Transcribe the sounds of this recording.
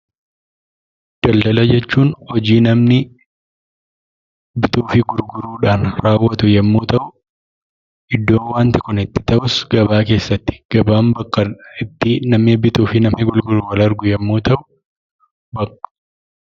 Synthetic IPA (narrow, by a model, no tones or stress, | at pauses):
d̪̥ɐld̪ɐlɐd͡ʒɛt͡ʃːuːnhɔd͡ʒiːnɐmnɪ | bɪt̪uːfɪɡʊɾɡʊɾuːᶑaːnɾaːwːɐt̪ʊjɛmːuːt̪ɐʔʊ | ʔɪd̪ːo̞ːwaːnt̪ɪkʊnɪt̪ːɪ̥t̪ɐʔʊsɡ̥ɐbaːke̞ːsːɐt̪ːɪ̥ɡ̥ɐbaːmbɐkʼːɐɪt̪ːɪnɐmnɪbɪt̪uːfɪnɐmnɪɡʊlɡʊɾuwɐlɐɾɡʊjɛmːuːt̪ɐʔʊ | bɐkːɐ̥